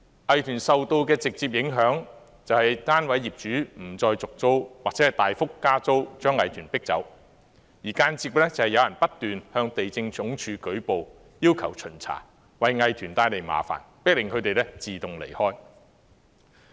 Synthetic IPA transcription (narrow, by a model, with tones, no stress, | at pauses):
ʔɐ˨jt̪ʰyː˨˩nsɐ˨wt̪o˧wkɛː˧t͡sɪ˨k̚t͡si˧p̚jɪ˨˥ŋɦœː˨˥ŋ | t͡sɐ˨whɐ˨jt̪aː˥nwɐ˨˥jːiː˨˩p̚t͡ʃyː˨˥m̩˨˩t͡sɔː˧jt͡sʊ˨k̚t͡so˥wwaː˨k̚t͡sɛː˨˥hjt̪aː˨jfʊ˥kːaː˥t͡so˥wt͡ʃœː˥ŋːɐ˨jt̪ʰyː˨˩npɪ˥k̚t͡sɐ̰˨˥w | jiː˨˩kaː˧nt͡siː˧lɛː˥t͡sɐ˨˩hɐ˨jɐ˧wjɐ˨˩npɐ˥t̚t̪yː˨nhœː˧ŋt̪e˨jt͡sɪ˧ŋt͡sʊ˨˥ŋt͡ʃʰyː˨˧kɵ˨˥ɥpo˨w | jiː˥wkʰɐ˨˩wt͡ʃʰɵ˨˩nt͡sʰa̰ː˨˩ | wɐ˨jŋɐ˨jt̪ʰyː˨˩nt̪aː˧jle˨jma̰ː˨˩fa̰ː˨˩npɪ˥k̚lɪ˨ŋkʰɵ˨˧ɥt̪e˨jlɛ˥t͡siː˨t̪ʊ˨ŋlḛ˨˩jhɔː˥j